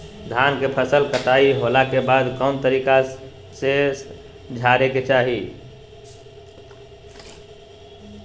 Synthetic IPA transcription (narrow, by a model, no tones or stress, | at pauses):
d̪ʱaːnkepʰəsəlkəʈ̪aiɦolakebaːd̪kənt̪əɾiːka | se | d͡ʒʱaɾeket͡ʃaːɦi